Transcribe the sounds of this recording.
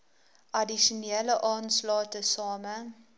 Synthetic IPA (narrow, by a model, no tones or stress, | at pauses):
ʔɐdiʃunɛːləʔɑːnslɑːtəsɑːmə